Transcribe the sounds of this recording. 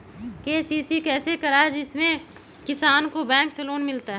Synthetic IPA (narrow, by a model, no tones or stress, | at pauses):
keːsiːsikɛːsekɐɾaed͡ʒɪsmẽ | kɪsaːnkobɛ̃ːŋkseloːnmɪlt̪aɦ